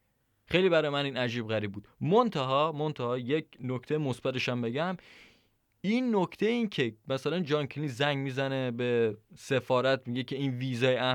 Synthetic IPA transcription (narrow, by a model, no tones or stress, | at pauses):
xejliːbæɾɒːjemæniːnæd͡ʒiːbɣæɾiːb̚buːd̪mont̪ʰæɦɒːmont̪ʰæhɒːjecʰnokʰt̪ʰejemosbæt̪e̞ʃæmbe̞ɟæm | iːnːocʰt̪ʰejiːncʰemæsælænd͡ʒɒnkʰiliːzæŋɡmiːzænebese̞fɒːɾæt̪ʰmiɟecʰe̞iːnviːzɒːjeæ